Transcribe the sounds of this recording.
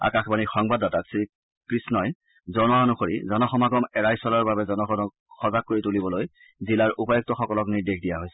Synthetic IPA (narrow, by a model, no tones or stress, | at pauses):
a̰kaxbanixɔŋbadataksi | kɹisnɔj | zɔnɔanuxoɹḭzɔnɔxɔmaɡɔmɛɹajswɔlaɹbabɛzɔnɔxɔnɔk | xɔzak̚kːoɹitulibɔloj | zilaɹʔupajɔk̚tɔxɔkɔlɔkniɹdexdijaɦojsɛ̥